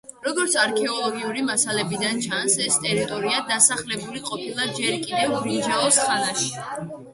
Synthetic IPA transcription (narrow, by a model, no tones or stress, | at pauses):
ɾɔɡɔɾt̪sʰaɾkʰɛɔlˠɔɡiuɾimasalɛbid̪ant͡ʃʰansɛst̪ʼɛɾit̪ʼɔɾiad̪asaχlɛbuliqʼɔpʰilˠad͡ʒɛɾkʼid̪ɛvɾid͡ʒaɔsχʼanaʃi̥